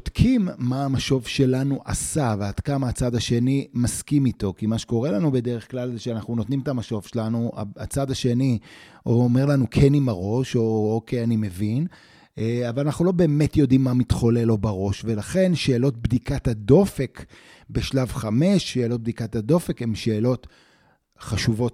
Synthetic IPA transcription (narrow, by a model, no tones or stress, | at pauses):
od̥kʰimːaːmaʃo̞vʃe̞lanuʔa̰savead̥kamaːt͡sad̪aʃe̞nimaskimito̞kimaʃe̥ko̞ʁe̞lanube̞deʁeχklalzeʃeanaχnuno̞t̪nimetamaʃo̞v̥ʃelanua̰a̰t͡sad̪aʃe̞ni | oome̞ʁlanukʰe̞nimaʁo̞ʃookejanime̞vin | avalanaχnulo̞be̞ːmetjo̞dimːamit̪χo̞le̞lo̞baʁo̞ʃve̞laχe̞nʃe̞ːlo̞t̚bdikatado̞fe̞k | be̞ʃlavχame̞ʃːeːlo̞t̪̚bd̪ikatado̞fe̞khemʃe̞ːlo̞t | χaʃuvo̞t